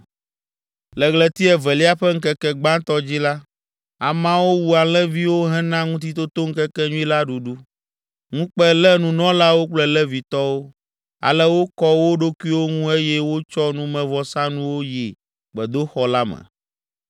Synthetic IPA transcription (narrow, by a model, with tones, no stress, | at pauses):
lɛ˨ɣlɛ˨t̪i˦ɛ˨vɛ˨li˦a˦ɸɛ˦ŋ̩˦kɛ˦kɛ˦ɡ͡bã˦t̪ɔ˦d͡ʑi˦la˦ | a˨mã˦wo˦wu˦a˨lɛ̃˦vi˦wo˦ɦɛ̃˦nã˦ŋũ˦t̪̬i˦t̪o˦t̪o˦ŋ̩˦kɛ˦kɛ˦ɲũ˦i˦la˦ɖu˨ɖu˦ | ŋũ˦k͡pɛ˦lɛ˦nũ˨nɔ̃˦la˦wo˦k͡plɛ˦lɛ˦vi˨t̪ɔ˦wo˦ | a̰˨lɛ˦wo˦kɔ˦wo˦ɖo˦ku˦i˦wo˦ŋũ˦e˦jɛ˦wo˦t͡ʃɔ˦nũ˦mɛ̃˨vɔ˨sã˦nũ˦wo˦ji˨ | k͡pɛ˨d̪o˦xɔ˦la˦mɛ̰˨